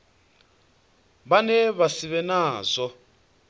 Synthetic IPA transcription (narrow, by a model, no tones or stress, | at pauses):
βanɛβasiβɛnaːzʷɔ